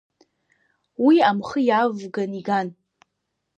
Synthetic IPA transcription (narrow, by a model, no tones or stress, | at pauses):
wiamχəjavɡaniɡan